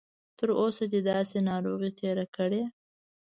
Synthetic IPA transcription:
t̪əɾosad͡ʒed̪ɑsenɑɾoɣit̪ʰeɾakəɽe

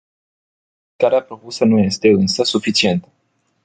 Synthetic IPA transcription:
kaɾeapɾo̞pusənuje̞st̪e̞ɨnsəsufit͡ʃie̞nt̪ə

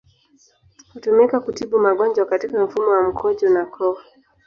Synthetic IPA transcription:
hutumikakutiɓumaɠɔnd͡ʒwakatikaɱ̩fumɔwam̩kʰɔʄɔnakʰɔa

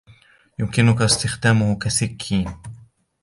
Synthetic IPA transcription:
jʊmkɪnʊkast̪ɪxd̪aːmʊhkasakʰːiːn

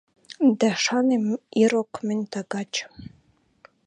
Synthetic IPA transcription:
d̪æʃɑneiɾokmɘ̆nʲt̪ɑɡɑt͡ɕə̥̆

